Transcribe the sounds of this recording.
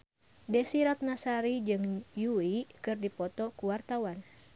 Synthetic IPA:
dɛsiɾat̪̚nasaɾid͡ʒɨŋjuikɨrdipɔt̪ɔkuwart̪awan

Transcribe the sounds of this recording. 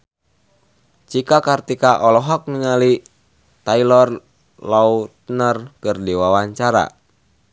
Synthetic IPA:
t͡ʃikakart̪ikaʔɔlɔɦɔk̚niŋali | t̪ailɔr | laut̪ənərkɨrdiwawaɲt͡ʃaɾa̰

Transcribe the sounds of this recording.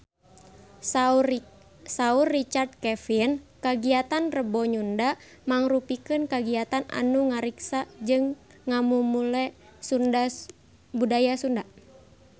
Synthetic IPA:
saurːit͡ʃard̪̚kɛfinkaɡiat̪anrəbɔɲunda | maŋrupikɨnkaɡiat̪ana̰nuŋaɾiksad͡ʒɨŋː | amumulɛ | sunda | budajasunda

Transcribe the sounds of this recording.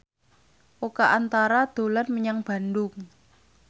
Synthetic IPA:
ʔokaʔant̪aɾad̪̥o̤lat̪məɲaŋb̥a̤ndʊŋ

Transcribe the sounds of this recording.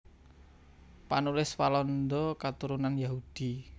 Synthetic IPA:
panulɪswalɔnd̪ɔkat̪uɾunanjaɦud̪̥i

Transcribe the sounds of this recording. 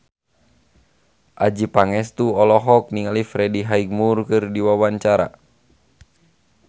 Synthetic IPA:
ʔad͡ʒipaŋɛst̪uɔlɔɦɔk̚niŋalifɾɛdiɦaiɡ̚murkɨrdiwawaɲt͡ʃaɾa̰

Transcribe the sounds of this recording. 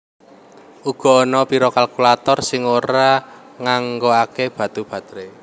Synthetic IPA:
ʔuɡ̥ɔ̤ːnɔpiɾɔkalkulat̪ɔrsɪŋoɾa | ŋaŋɡoakeb̥ä̤t̪ub̥ä̤d̪ɾe

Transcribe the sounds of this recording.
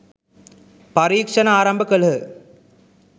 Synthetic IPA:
pɐɾiːkʂɐnɐaːɾɐmbʱɐkɐlɦɯ

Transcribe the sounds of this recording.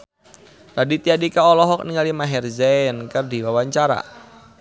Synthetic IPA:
radit̪iadikaɔlɔɦɔk̚niŋalimaɦɛrzɛnkərdiwawaɲt͡ʃaɾa̰

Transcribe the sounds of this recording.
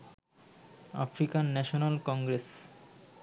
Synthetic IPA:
a̰fɾikanːɛʃonalkɔŋɡɾes

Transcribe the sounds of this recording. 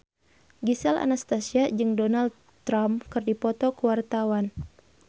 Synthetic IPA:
ɡisala̰nast̪asiad͡ʒɨŋdɔnald̪ | t̪ɾamkɨrdipɔt̪ɔkuwart̪awan

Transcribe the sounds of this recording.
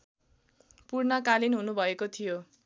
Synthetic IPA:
purnʌkalinɦunubʱʌekot̪ʰijo

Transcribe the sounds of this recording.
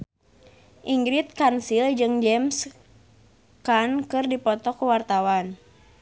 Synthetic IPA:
ʔiŋɡɾit̪̚kansild͡ʒɨŋd͡ʒɛms | kankɨrdipɔt̪ɔkuwart̪awan

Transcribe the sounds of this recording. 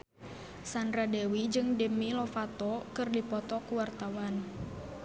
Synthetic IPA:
sanɾadɛwid͡ʒɨŋdəmilɔfat̪ɔkɨrdipɔt̪ɔkuwart̪awan

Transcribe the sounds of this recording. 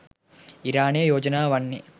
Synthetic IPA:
iɾaːɳeːjoːd͡ʒɐnaːʋɐɳːi

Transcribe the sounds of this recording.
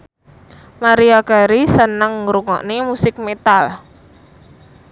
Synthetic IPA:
maɾiaɡaɾisənəŋɾuŋɔ̰ʔnimusɪk̚met̪al

